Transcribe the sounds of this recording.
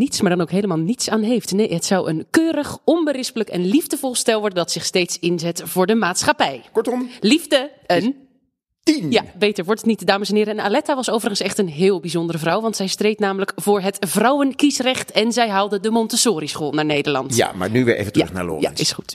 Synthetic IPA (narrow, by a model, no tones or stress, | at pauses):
nitsmaːɹdɑnowkɦejləmaːlˠnitsaːnɦejftnejɦətsʌwənkøːɾəχɔnbərɪspələkɛ̰nlivdəvɔlˠstɛlˠʋɔɹdəndɑtsɪχstejtsɪnzɛtv̥ʊːɹdəmaːtsχapɛjkɔɹtɔmlivdə | ən | tinjabejtəɹʋɔɹtətnitdaːməsɛnɦɪːɾəɛnalɛtaʋɑsowvərəχənsɛχtənɦɪːlˠbizɔndərəvrʌwʋɑntsɛjstrejtnaːmələkv̥ʊːɹɦətv̥rʌwənkisrɛχtɛnzɛjɦɑlˠdədəmɔntəsoːɾisχoːlˠnaːɹnejdəɹlɑ̰ntja̰ma̰ɹnyʋɪ̰ɹʔḛjvəntrj̰ɵ̰χna̰ːlo̰ːja̰ɪsχut